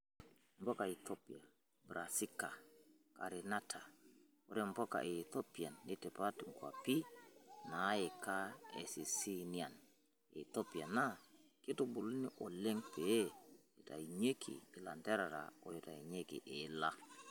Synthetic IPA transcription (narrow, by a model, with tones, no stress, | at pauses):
mbɔ˦ka˨i˨t̪o˦pi˨a˨ | bɾa˨si˦ka˨ | ka̰˨ɾi˨na˦tʰa˨ | ɔ˨ɾɛ˦mbɔ˦ka̰˨ʔe˨to˦pi˨a˨nːɪ˦tɛ˨pa˦tŋɡwa̰˨pi˦na˨˦ɪ˨ka˦ḛ˨si˨si˦ni˨a˨n | ḛ˨t̪o˦pi˨a˨na˦kɪ˦to˨bu˨lu˦ni˦ʔɔ˨le˦ŋpe˨e˦ | i˨ta̰˨i˨ɲe˦kʰḭː˨la˨ndɛ˦ɾa˨ɾa̰˨ɔ˦jo˨ta̰˨i˨ɲe˦kḭ˨ʔe˨la˦